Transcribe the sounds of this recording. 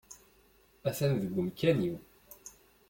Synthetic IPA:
æθænðəɡʷːəmkːæniw

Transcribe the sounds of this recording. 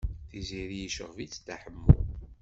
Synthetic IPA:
θiziɾijəʃə̰ʁvit͡sːt̪ːaħəmːʊ̰

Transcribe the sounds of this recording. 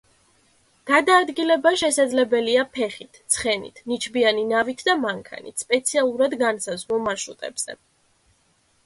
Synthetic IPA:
ɡ̥ad̪aːd̪ɡilɛbaʃɛsad̪zlɛbɛliapʰɛχit̪ʰt̪sʰχɛnḭt̪ʰnit͡ʃʰbianinavit̪ʰd̪amaŋkʰa̰nḭt̪ʰspʼɛt̪sʰialˠuɾad̪ɡansazvɔmaʃut̪ʼɛ̰bz̥ɛ̰

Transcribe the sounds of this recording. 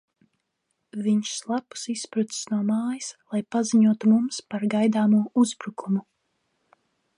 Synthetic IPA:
viɲʃslˠapu̥sispɾut̪si̥snuɔmaːjislˠajpaziɲuɔt̪umumspaɾɡajd̪aːmuɔuzbɾukumu

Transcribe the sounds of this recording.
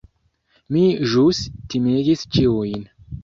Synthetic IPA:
miʒustimeɡist͡ʃiujn

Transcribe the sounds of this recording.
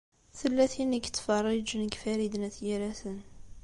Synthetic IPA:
θəlːæθinikt͡s̪ːfɑrˤːid͡ʒnəɡfæɾid̪næθjiɾæθən

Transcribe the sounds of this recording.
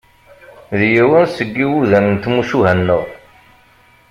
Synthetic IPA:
ðjiwənsəɡːiwuðænənt̪musuɦænːəʁ

